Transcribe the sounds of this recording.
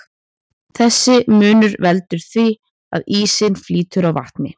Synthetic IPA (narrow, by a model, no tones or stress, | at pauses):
θɛsːɪmʏːnʏɾvɛlt̪ʏɾ̥θvi | a̰ðiːsɪnfliːt̪ʏɾawva̰ht̪nɪ